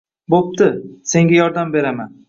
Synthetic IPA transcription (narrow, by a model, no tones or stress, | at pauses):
bop̚t̪ɪse̞ŋɡʲajɒɾd̪ambe̞ɾaman